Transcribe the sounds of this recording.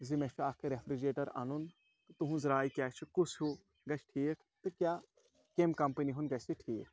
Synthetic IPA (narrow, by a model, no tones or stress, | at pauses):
zimet͡ʃʰuakʰɾefɾid͡ʒeːʈɐɾɐ̰nun | t̪uɦũzɾaːikʲjaːt͡ʃʰukusʰhu | ɡɐt͡ʃʰʈʰiːkʰt̪ɨkjaː | kemkɐmpəniɦunɡɐsiʈʰiːk̚ʰ